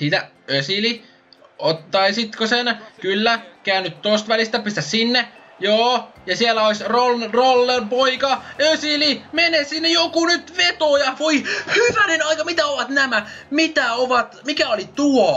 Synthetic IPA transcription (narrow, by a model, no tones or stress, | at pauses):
siːt̪æ | øsili | ot̪ːɑisit̪kosenkylːækæːnːyt̪t̪ost̪ʋælist̪æpyst̪æssinːe | joːjɑsielːæoisʲrolrolːempoikɑøsilimenessinːejokunyt̪ʋet̪oːjɑʋoihyʋænenɑikɑmit̪æoʋɑt̪næmæmit̪æoʋɑt̪mikæolit̪uo